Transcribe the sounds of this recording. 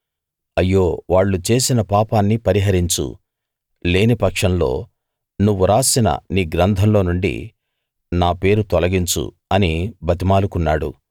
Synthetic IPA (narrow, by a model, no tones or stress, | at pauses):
ɐjːo̞ːʋaːɭːut͡ʃe̞ːsinɐpaːpaːnːipɐɾiɦɐɾiɲt͡ʃṵ | le̞ːnipɐkʂɐmlo̞̰ː | nuʋːuɾaːsinɐ̰niːɡɾɐnd̪ʱɐmlo̞ːnuɳɖḭ | naːpe̞ːɾut̪ɔlɐɡiɲt͡ʃṵ | ɐnibʱɐt̪̬imaːlukunːaːɽṵ